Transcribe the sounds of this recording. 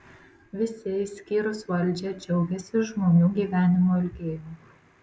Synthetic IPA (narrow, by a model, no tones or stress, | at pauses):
ʋʲɪsʲeɪsʲkʲiːɾosʋɑlʲd͡ʑɛt͡ʃɛwɡʲɛsʲɪʒmonʲuːɡʲiʋʲæːnʲɪmoɪlʲɡʲeːjʲe